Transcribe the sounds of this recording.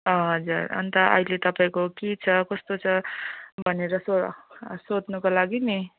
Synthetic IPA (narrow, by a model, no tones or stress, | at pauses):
ʌɦʌd͡zuɾʌ̰nt̪ʌʔʌ̰ilet̪ʌpaĩkokit͡sʰʌkʌst̪ot͡sʰʌbʱʌneɾʌsosod̪nukolaɡini